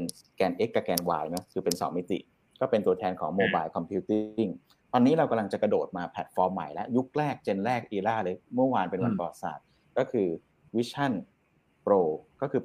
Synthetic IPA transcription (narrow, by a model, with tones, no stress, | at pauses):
n | kɛː˧nʔe˦˥kːa˧˩kɛː˧nwa̰ː˧jnɔ˦˥kʰɯː˧pe˧nsɔː˩˦ŋmi˦˥t̪ḭ˨˩ʔ | kɔː˥˩pe˧nt̪u˧ɐt̪ʰɛː˧nkʰɔː˩˦ŋmoː˧baː˧jlkʰɔ˧mpʰi˦˥t̪ii˥˩ŋ | t̪ɔː˧nːiː˦˥ɾa˧wka˧la˧ŋt͡ɕa˨˩kɾa˧doː˨˩t̪̚maː˧pʰɛ˨˦˩t̪̚fɔː˧mːa̰˨˩jlɛ˦˥ʔju˦˥k̚ɾɛː˥˩k̚t͡ɕe˧nɾɛː˥˩k̚ʔiː˧laː˥˩lɤː˧jmɯ˥˩ɐwaː˧npe˧nwa˧np̪ɔ˨a˨˩t̪̚sa̰ː˨˩t̪̚ | kɔː˥˩kʰɯː˧ | wi˦˥t͡ɕʰa˥˩n | pɾoː˧kɔː˥˩kʰɯː˧